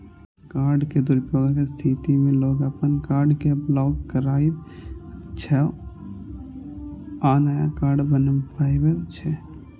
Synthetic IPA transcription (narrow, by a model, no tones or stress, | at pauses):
kaːɾɖked̪ʊɾpjoːɡakest̪ʰit̪imẽloːɡəpənkaːɾɖkeblɔːkːəɾaːi | t͡ʃʰɛ | aːnajakaːɾɖbənpaːjbet͡ʃʰɛ